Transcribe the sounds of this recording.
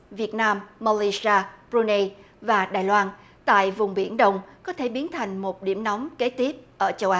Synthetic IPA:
vi˨˩ət̚naː˧mːa˧li˧si˧aː˧pɾu˧ne˧ | vaː˨˩ɗaː˨˩jlwaː˧n | t̪a̰ː˧˨jvʊ˨˩ŋ͡mɓi˧˩ənɗə˧wŋ͡mkɔ˨˦t̪ʰe˧˩ɓi˨˦ənt̪ʰa˨˩jŋ̟mo˨˩t̚ɗḭ˧˩əmnɔ˨˦wmke˨˦t̪i˦˥əp̚ʔəː˧˩t͡ɕə˧wʔaː˨˦

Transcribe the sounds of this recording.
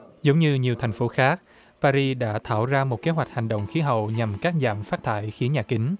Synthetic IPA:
zə˨˦wŋ͡mɲɨ˧ɲi˨˩əwt̪ʰɛ˨˩jŋ̟fo˨˦xaː˦˥k̚ | paː˧zi˧ɗa̰ː˧˥t̪ʰa̰ː˧˩wzaː˧mo˨˩t̚ke˨˦ɦwa˨˩k̟̚ha˨˩ŋɗə̰˧˨wŋ͡mxi˨˦ɦə̰˧˨wɲa˨˩mkaː˦˥k̚za̰ː˧˩mfaː˦˥t̚t̪ʰa̰ː˧˩˨jxi˨˦əɲaː˨˩kï˨˦ŋ̟

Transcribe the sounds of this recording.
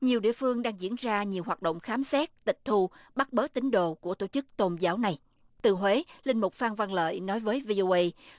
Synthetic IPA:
ɲi˨˩əwɗḭ˧˨əfɨ˧əŋɗaː˧ŋzḭ˧˥ənzaː˧ɲi˨˩əwɦwaː˨˩t̚ɗə̰˧˨wŋ͡mxaː˨˦msɛ˦˥t̚t̪ï˨˩k̟̚t̪ʰu˧ɓa˦˥t̚ɓəː˨˦˥t̚t̪ï˨˦ŋ̟ɗo̰˧˨ku˧˩ət̪o˧˩t͡ɕɨ˦˥k̚t̪o˧nzaː˨˦wna˨˩j | t̪ɨ˨˩hwe˨˦lï˧ŋ̟mʊ˨˩k͡p̚faː˧nva˧nlə̰ː˧˨jnɔ˨˦jvəː˨˦jvi˧ʔo˧ʔə˧j

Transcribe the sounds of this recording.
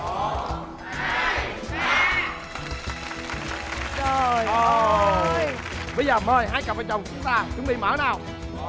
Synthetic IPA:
t͡ɕə˨˩jə˨ | ɓə˧jzəː˨˩məː˧˩jhaː˧˩jkp̚a˨˩t͡ɕə˨˩wŋ͡mt͡ɕʊ˨˦ŋ͡mt̪aː˧t͡ɕʊ˨˦ŋ͡mɓḭ˧˨mə̰ː˧˥˦naː˨˧˩w

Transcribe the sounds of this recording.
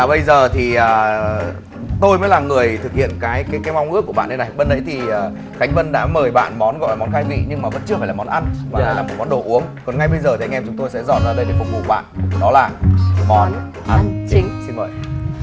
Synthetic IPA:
aː˨˩ɓə˧jzəː˨˩t̪ʰi˨˩ʔəː˨˩ | t̪o˧jməː˨˦jlaː˨˩mŋɨ˨˩əjt̪ʰɨ˨k̚hḭ˧˨ənkaː˨˦jkaː˨˦jkaː˨˦jma˧wŋ͡mʔɨ̰˧˥kːu˧˩əɓa̰ː˧˨nɗə˧na˨˩jɓə˧nɗə̰˧˥jt̪ʰi˨˩əː˨˩ | ka˨˦jŋ̟və˧nɗa̰ː˧˥məː˨˩jɓa̰ː˧˨nmɔ˨˦nɣɔ̰˧˨jlaː˨˩mɔ˨˦nxaː˧jvḭ˧˨ɲɨ˧ŋmaː˨˩və̰˧˥nt͡ɕɨ˧faː˧˩laː˨˩mɔ˨˦nʔa˧nma˨˩aː˨˩˨lːaː˨˩mo˨˩t̚mɔ˨˦nɗo̰˧˨ʔu˨˦əŋkɔ˨˩nŋa˧jɓə˧jzəː˨˩t̪i˨˩a˧jŋʔɛ˧mt͡ɕʊ˨˦ŋ͡mt̪o˧jsɛ̰˧˥zɔ̰˧˨t̚zaː˧ɗə˧jɗe˨˩fʊ˨˩k͡p̚vṵ˧˨ɓa̰ː˧˨nʔɗɔ˨˦laː˨˩mɔ˨˦n | ʔa˧n˧ŋsi˧nvə̰ː˧˨j

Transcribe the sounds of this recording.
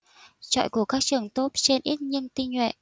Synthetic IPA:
t͡ɕɔ̰˧˨jku˧˩əkaː˦˥k̚t͡ɕɨ˨˩əŋt̪o˦˥t̚t͡ɕe˧nʔi˦˥t̚ɲi˧ənt̪i˧ɲwḛ˧˨ʔ

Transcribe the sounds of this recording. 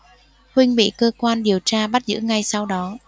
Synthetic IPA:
hwï˧ŋ̟ɓḭ˧˨kəː˧kwaː˧nɗi˨˩əwt͡ɕaː˧ɓa˦˥t̚zɨ̰˧˥ŋa˧jsa˧wɗɔ˨˦

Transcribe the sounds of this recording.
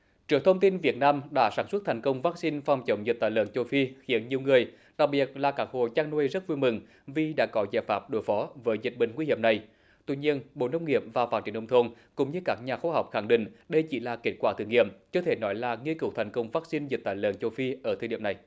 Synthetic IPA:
t͡ɕɨ˨˩əŋ̚t̪ʰə˧wŋ͡mt̪i˧nvi˨˩ət̚naː˧mɗa̰ː˧˥saː˧˩nswə˦˥t̚t̪ʰa˨˩ŋkə˧wŋ͡mvaː˦˥k̚si˧nfa˨˩wŋ͡mt͡ɕə˨˦wŋ͡mzi˨˩t̪aː˧˨jləː˧˨nt͡ɕo˧fi˧xi˨˦ənɲi˨˩əwŋɨ˨˩əj | ɗa˨˩k̚ɓi˨˩ət̚laː˨˩kaː˦˥k̚ho̰˧˨t͡ɕaː˧ŋnwjzə˦˥t̚vu˧jmɨ˨˩ŋ | vi˨˩ɗa̰ː˧˥kɔ˨˦zaː˧˩jfaː˦˥p̚ɗo˨˦jfɔ˨˦vəː˨˦jzï˨˩t̚ɓï˧˨ŋ̟ŋwi˧hḭ˧˨əmna˨˩j | t̪wḭ˧ɲi˧ənɓo̰˧˨nə˧wŋ͡mŋi˧˩˨əp̚vaː˨˩faː˦˥t̚t͡ɕi˨˧˩əʔə˧ŋ͡mt̪ʰo˧n | kʊ̰˧˥ŋ͡mɲɨ˧kaː˦˥k̚ɲaː˨˩xwaː˧ɦa˨˩wk͡p̚xa˧˩ŋɗḭ̈˧˨ŋ̟ɗə˧jt͡ɕi˧˩laː˨˩ke˦˥t̚kwaː˧˩t̪ʰɨ˨˧˩əŋːḭ˧˨əmt͡ɕəː˧t̪ʰe˧˩nɔ˨˦jlaː˨˩ŋi˧əkɨ˨˧˩wt̪ʰa˨˩jŋ̟kə˧wŋ͡mvaː˦˥k̚si˧nzi˨˩t̚t̪aː˧˨jlə̰˧˨nt͡ɕo˧fi˧ʔəː˧˩t̪ʰɨ˨˩ɗḭ˧˩əmna˨˩j

